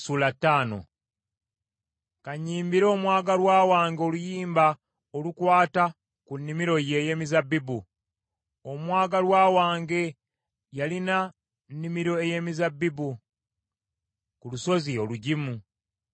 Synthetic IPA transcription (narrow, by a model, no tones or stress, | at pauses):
sulatːaːno̞̰ | kaɲiːmbiɾo̞ːmwaːɡalwaːwaːŋɡo̞lujiːmba | olukwaːta | kunːimiɾo̞je̞ːje̞ːmizabːibu | omwaːɡalwaːwaːŋɡe̞ | jalina | nːimiɾo̞e̞je̞ːmizabːibu | kuluso̞zio̞luɟimu